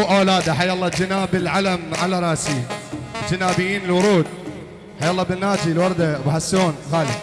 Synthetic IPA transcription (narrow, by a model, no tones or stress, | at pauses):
ʔawlaːd̪aħajːɑlˤːɑd͡ʒɪnaːbɪlʕalamʕalaɾˤɑːsid͡ʒɪnaːbɪjːiːnɪlwʊɾˤuːd̪̚ | ħajːalˤːɑːbɪnːaːd̪ilwɑɾˤd̪abħasːoːnɣaːlɪ